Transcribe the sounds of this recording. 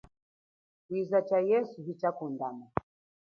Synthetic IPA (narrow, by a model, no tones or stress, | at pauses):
kizat͡ʃajɛsuɦit͡ʃakundama